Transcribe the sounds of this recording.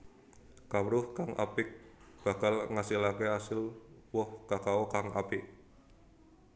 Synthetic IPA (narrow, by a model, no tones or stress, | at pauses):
kawɾʊhkaŋʔa̰pɪk̚b̥a̤kalŋasilakeasɪlwɔhkakaɔkaŋa̰pɪʔ